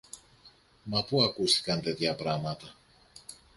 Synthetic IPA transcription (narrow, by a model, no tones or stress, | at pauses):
mapuakusi̥kant̪et̪japɾamat̪ɐ